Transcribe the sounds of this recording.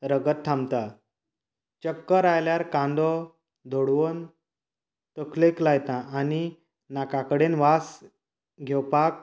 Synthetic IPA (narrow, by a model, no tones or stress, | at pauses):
ɾəɡət̪ʈʰːãmt̪a | t͡ɕəkːəɾajljaɾkãnd̪ɔ | d̪ʱoɽʋən | t̪əkleklajt̪ãʔani | nakakəɽenʋas | ɡʱɛwpak̚